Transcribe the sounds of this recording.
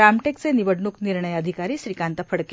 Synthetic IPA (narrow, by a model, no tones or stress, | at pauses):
amʈek̚t͡seniʋəɽɳukniɾɳəjəd̪ʱikaɾiːɕɾikãnt̪əfəɽke